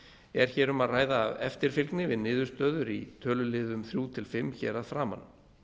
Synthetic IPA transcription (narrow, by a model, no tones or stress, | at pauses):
ɛɾ̥çɛːɾʏmaðraːjðaːvɛ̰ft̪ɪɾ̥fɪlknɪvɪðnɪːðʏɾ̥st̪œːðʏɾit̪ʰœːlʏlɪːðʏmθɾjuːt̪ʰɪlfɪmːçɛːɾaðfɾaːma̰nː